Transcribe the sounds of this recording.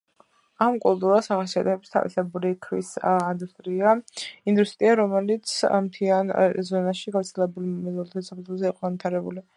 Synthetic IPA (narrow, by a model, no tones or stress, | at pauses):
amkʼulˠt̪ʼuɾasaʁasia̰t̪ʰɛɛbst̪ʰa̰vḭsɛbuɾikʰɾḭsind̪ust̪ʼɾiaind̪ust̪ʼɾiaɾɔmɛlit̪sʰmt̪ʰianzɔnaʃiɡavɾt̪sʰɛlɛbulmmɛzɔlt̪ʰsakʰɛt̪ʰlˠzɛiqʼɔɡant̪ʰaɾɛbṵli